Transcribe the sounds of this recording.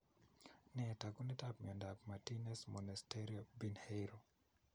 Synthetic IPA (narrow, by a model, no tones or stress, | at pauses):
nɛtakunitapmiɔndap̚matinɛsmɔnastɛɾiobinheɾo